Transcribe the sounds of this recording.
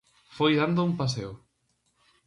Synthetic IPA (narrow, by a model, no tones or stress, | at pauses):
fojðand̪ʊumpas̬eʊ